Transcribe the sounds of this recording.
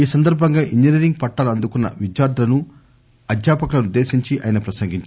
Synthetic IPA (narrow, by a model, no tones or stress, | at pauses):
iːsɐnd̪ɐɾbʱɐŋɡaːʔiɲd͡ʒiniɾiŋɡ̚pɐʈːaːlɐnd̪ukunːɐ̰ʋid͡ʒjaːɾd̪ʱɐlɐnu | ɐd̪ʱjaːpɐkɐlɐnud̪ːe̞ːʃiɲt͡ʃiʔɐ̰ːjinɐpɾɐsɐŋɡiɲt͡ʃ